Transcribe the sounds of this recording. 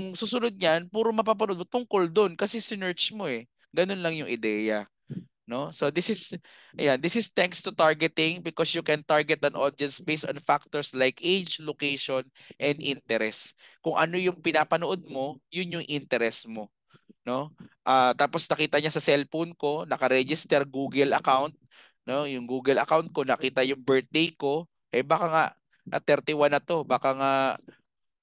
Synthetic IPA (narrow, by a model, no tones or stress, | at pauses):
ʊŋsuːsʊnod̪̚ɲanpuːɾomɐp̬aːp̬ɐnoʔod̪mot̪ʊŋko̞ld̪o̞nkɐsɛsɪnɛɹt͡ʃmo̞ɛ | ɡɐnonlɐŋjʊŋʔɪd̪ɛjɐ | no̞so̞d̪ɪsɪs | ʔɐ̰jand̪ɪsɪst̪ɛŋkst̪ʊt̪aɹɡɛt̪ɪŋbɪkosjʊkɛnt̪aɹɡɛt̪ɐnʔo̰d̪ɛnsbejst̪ɐ̰nfak̚t̪oɹslajkʔed͡ʒlokejʃon | ʔɛnd̪ʔint̪ɛɾɛs | kʊŋʔɐno̞jʊŋpɪnaːpɐnoʔod̪̚mo̞jʊnjʊŋʔɪnt̪ɛɾɛsmo̞ | no̞ʔaːt̪aːpo̞snɐkiːt̪ɐɲasɐsɛlfonko̞nɐkɐɾɛd͡ʒɪst̪ɛɾɡuːɡɛlɐ̰kawnt̪̚ | no̞jʊŋɡuːɡɐlɐ̰kawnt̪̚konɐkiːt̪ɐjʊŋbɛɹt̪̚d̪ejko̞ | ʔɛbaːkaŋa̰ʔ | ɐt̪ɛɾt̪ɪwanɐt̪o̞baːkaŋa